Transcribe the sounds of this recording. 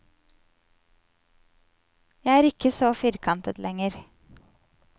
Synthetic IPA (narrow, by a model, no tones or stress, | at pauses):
jæɪæːɾɪkəsɔfɪɾkʰɑnt̪ət̪lʔɛŋəɾ